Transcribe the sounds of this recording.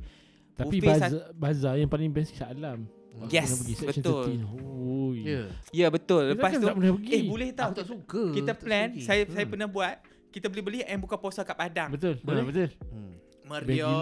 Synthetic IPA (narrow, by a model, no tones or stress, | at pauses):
t̪apibaazabazajaŋpalɪŋbɛnsi̥salam | aɛsnapəɡisɛkʃɔntlinojjabət̪ʊlːəpasanapənahpəɡiebolɛht̪at̪sukəkit̪aplɛnsajasajapənahbuat̪̚ | kit̪abolɛɦbəliɛnbukaposɔkapadaŋbət̪ʊlbəbət̪ʊl | məɾbɛo